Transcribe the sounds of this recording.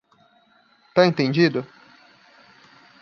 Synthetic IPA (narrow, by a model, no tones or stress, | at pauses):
t̪aẽnt̪ẽnd͡ʒid̪ʊ